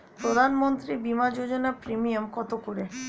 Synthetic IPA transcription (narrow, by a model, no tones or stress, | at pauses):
pɾod̪ʱanmont̪ɾibimad͡ʑod͡ʑonapɾimiamkɔt̪okoɾe